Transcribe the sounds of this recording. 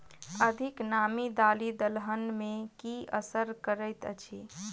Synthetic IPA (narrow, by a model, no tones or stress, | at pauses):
əd̪ʱiknamid̪alid̪əlɦənmekiəsəɾkəɾəjt̪ə̰t͡ʃʰi